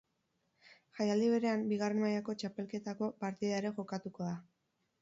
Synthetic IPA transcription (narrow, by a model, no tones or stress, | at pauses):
xajald̪iβ̞e̞ɾe̞ambiɣ̞are̞nmajako̞t͡ʃape̞lke̞t̪ako̞paɾt̪iðae̞ɾe̞ʝo̞kat̪uko̞ða